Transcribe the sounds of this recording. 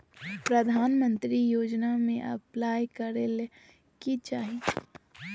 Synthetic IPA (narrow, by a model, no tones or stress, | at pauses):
pɾəd̪ʱaːnmə̃nt̪ɾijoːd͡ʒnamẽʔɐ̰plaːjkəɾele | kit͡ʃaːɦi